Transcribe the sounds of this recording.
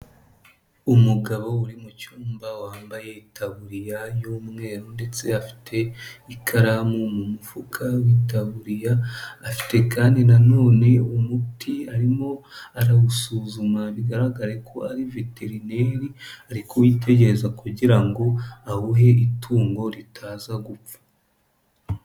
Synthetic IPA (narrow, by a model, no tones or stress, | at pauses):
umuɡaβo̞uɾimucuːmbawaːmbajeitʰaβuɾijajumŋe̞ːɾonde̞t͡se̞afi̥tʰe̞ikʰaɾamumumufukʰawitaβuɾijaːfi̥te̞kaːndinano̞ːne̞umutʰiaɾimo̞aɾaɡusuːzumaβiɡaɾaɡaɾe̞kʰo̞aɾive̞te̞ɾine̞ɾiaɾikʰowiːte̞ɟe̞ɾezakuɟiɾaŋɡo̞ahuɦe̞itʰuːŋɡo̞ɾitʰaːzaɡup͡fḁ